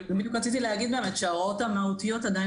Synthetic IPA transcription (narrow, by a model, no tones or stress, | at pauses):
minkʁɐt͡sit̪ilehaɡid̪bemaʃaot̪hamahut̪ijo̞t̪ad̪aj